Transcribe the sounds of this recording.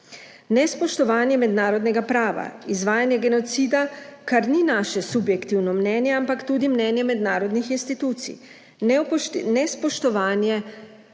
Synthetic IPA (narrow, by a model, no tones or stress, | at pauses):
nɛspɔʃt̪ɔʋaːnjɛmɛd̪naːɾɔd̪nɛɡapɾaːʋa̰izʋaːjanjɛɡɛnɔt̪siːd̪akaɾninaːʃɛsubjɛkt̪iwnɔmnɛnjɛampakt̪uːd̪imnɛnjɛmɛd̪naːɾɔd̪nixinst̪it̪uːt̪sḭ | nnɛspɔʃt̪ɔʋaːnjɛ